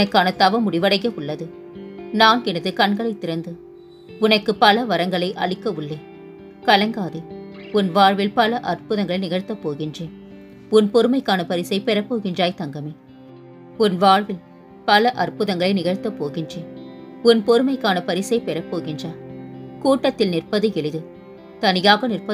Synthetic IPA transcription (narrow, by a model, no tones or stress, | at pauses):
nɐkːaːnɐt̪ɐʋɐmʊɽɪʋɐɽɐjɐʊɭːɐðɯ | naːnɡɪnɐðɯkɐɳɡɐɭɐɪt̪ːɪɾɐnd̪ɯ | ʊnɐkːɯpɐlɐʋɐɾɐŋɡɐɭɐɪʔɐ̰ɭɪkːɐɯɭːeː | kɐlɐŋɡaːðɯʊnʋaːɻʋɪlpɐlɐʔɐrpɯðɐŋɡɐɭɐɪnɪɣɐɻt̪ːɐpːoːɣɪndreː | ʊnpɔɾɯmɐɪkːaːnɐpɐɾɪsɐɪpɛɾɐpːoːɣɪndraːjt̪ɐŋɡɐmeː | ʊnʋaːɻʋɪl | pɐlɐʔɐrpɯðɐŋɡɐɭɐɪnɪɣɐɻt̪ːɐpːoːɣɪndreːʊnpɔɾɯmɐɪkːaːnɐpɐɾɪsɐɪpɛɾɐpːoːɣɪndraːkuːʈːɐt̪ːɪlnɪrpɐðɯɛɭɪðɯ | t̪ɐnɪjaːɣɐnɪrpɐ